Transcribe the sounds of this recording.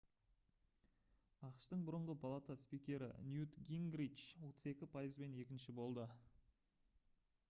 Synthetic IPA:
ɑqəʃt̪əɴbʊɾəɴʁəpʰalˠat̪aspikʲe̞ɾɪ̰njut̪ɡʲiŋɡɾit͡ʃwo̞t̪əze̞kʲɪpʰajəzbe̞ne̞kʲɪnʃɪbo̞lˠd̪ə

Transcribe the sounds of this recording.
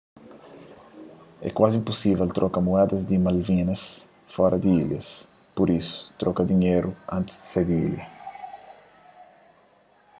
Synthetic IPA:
ɛ̰kwazĩmpusivɛlt̪ɾʔɔkɐmuɛd̪ɐzd̪imalvĩnɐs | fɔɾɐd̪iiljɐs | poɾisu̥t̪ɾɔkɐd̪iɲeɾuãnt̪ɪ̥zd̪i̥sed̪iḭlɐ

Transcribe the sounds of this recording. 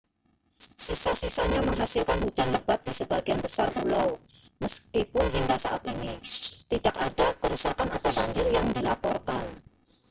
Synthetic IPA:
sisasisaɲaməŋɦasilkanhud͡ʒanləb̥at̪̚disəbaɡianbəsarpulawməskipʊnɦiŋɡasaʔa̰t̪init̪idak̚adakəɾusakanat̪aɾaɲd͡ʒɪrjaŋdilapɔrkan

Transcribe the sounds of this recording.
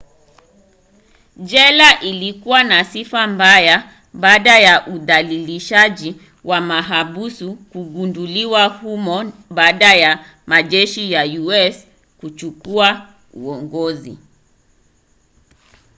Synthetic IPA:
ʄɛlaʔilikuwanasifambaja | ɓaːɗajaʔuðaliliʃaʄi | wʔamaɦaɓusukuɡunduliwahumɔɓaːɗaja | maʄɛʃijajuɛs | kut͡ʃukua | uɔŋɡɔzḭ

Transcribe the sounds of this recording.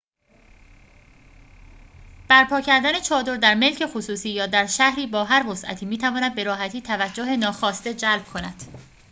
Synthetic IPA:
b̥æɾpʰɒːcʰæɾd̪æne̞t͡ʃʰɒːd̪o̞ɾd̪æɾme̞lcʰe̞xosuːsiːjɒːd̪æɾʃæhɾiːbɒːɦæɾvo̞sʔæ̰t̪ʰiːmiːt̪ʰævɒːnæd̪̚be̞ɾɒːɦæt̪ʰiːt̪ʰævæd͡ʒːoɦe̞nɒːxɒːst̪e̞d͡ʒælb̥̚kʰonæd̪̥

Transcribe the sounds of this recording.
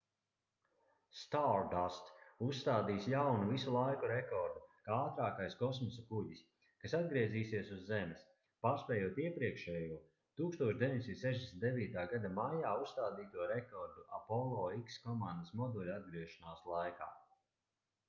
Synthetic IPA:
st̪aɾdast̪ust̪aːd̪iːsjawnuvisulˠajkuɾekɔɾd̪ukaːaːt̪ɾaːkajskɔsmɔsakuʎis | kasad̪̚ɡɾiɛziːsiɛsuzːɛmɛs | paːɾspʲɛːjuɔt̪iɛpɾiɛkʃɛːjuɔ | t̪uːkst̪uɔʃd̪eviɲd̪ʲesint̪sɛʒd̪ʲesnt̪d̪eviːt̪aːɡad̪amajaːusst̪aːd̪iːt̪uɔɾɛkɔɾd̪uapɔlˠɔːikskɔmãnd̪əsmɔd̪ulʲad̪̚ɡɾiɛʃanaːslˠajka̰ː

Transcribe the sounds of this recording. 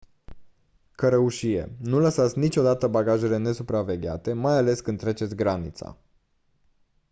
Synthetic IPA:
kəɾəuʃije̞̰nuləsat̪sʲnit͡ʃʲo̞d̪at̪əbaɡaʒe̞le̞ne̞supɾave̞ɡʲa̰t̪e̞majale̞skɨnd̪ɾe̞t͡ʃet̪sʲɡɾanit̪sa̰

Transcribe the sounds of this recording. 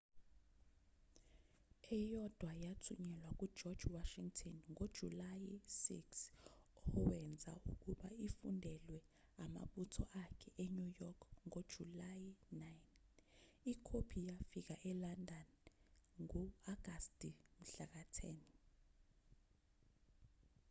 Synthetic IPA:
ɛjɔd̥ʱwajatʰuɲɛlwak̬ʼud̥ʒ̥ʱɔd̥ʒ̥waʃiŋtʰɔnŋod̥ʒ̥ʱulajisḭks | ɔwɛnd͡zʱa̰ṵk̬ʼuɓaifundʱɛlwɛ | ama̰ɓutʰɔ̰ʔakʰɛʔeɲujɔkʰŋod̥ʒ̥ʱulajinajn | ikʰopʰijafik̬aʔɛlandʱan | ŋuaɡ̥ʱastʼim̩ɬak̬atʰɛn

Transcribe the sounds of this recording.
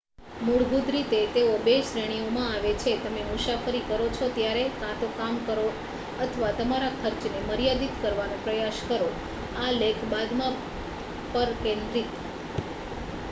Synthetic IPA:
muɽbʱud̪ɾit̪et̪eobeʃɾeɽ̃iomãaʋet͡ʃʰet̪əmemusafəɾikəɾot͡ʃʰot̪jaɾekãt̪okamkəɾo | ət̪ʰəʋat̪əmaɾakʰəɾt͡ʃneməɾjad̪it̪kəɾʋanõpɾəjaʃkəɾo | alekʰbad̪mã | pəɾkẽnd̪ɾit̪

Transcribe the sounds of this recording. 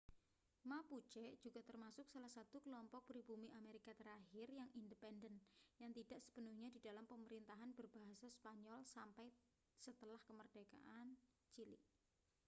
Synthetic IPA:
maput͡ʃɛʔd͡ʒ̥uɡ̥at̪ərmasʊk̚salahsat̪ukəlɔmpɔk̚pɾibumiʔameɾikat̪əɾahɪrjaŋindəpɛndənjaŋt̪id̥aʔsə̥b̥ənuhɲadi̤dalampəməɾint̪aɦanbərbaɦasaspaɲɔlsampaj | sət̪əlahkəmərd̥eka̰ʔan | t͡ʃilḭ

